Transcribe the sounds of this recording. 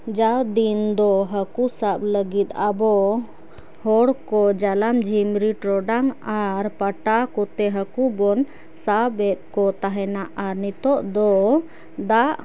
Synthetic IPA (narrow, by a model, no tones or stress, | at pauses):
d͡ʒawd̪ind̪ɔɦəkusabləɡit̪̚abɔ | hɔɽkɔd͡ʒalamd͡ʒʱimɾiʈɾɔɖaŋaɾpaʈakɔt̪ɛɦəkubɔn | sabɛt̪̚ˀkɔt̪aɦɛnaʔaɾnit̪ɔʔd̪ɔ | d̪aʔ